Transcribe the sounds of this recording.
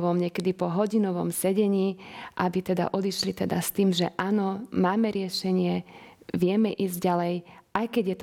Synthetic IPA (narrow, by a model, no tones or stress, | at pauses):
ʋɔmɲɛkɛd̪ipɔɦɔɟinɔʋɔmsɛɟɛɲiːʔabit̪ɛd̪a̰ʔɔd̪iʃlit̪ɛd̪ast̪iːmʒɛʔaːnɔmaːmɛɾɪɛʃɛɲɪɛʋɪɛmɛʔiːzɟɟalɛjʔajkɛɟjɛt̪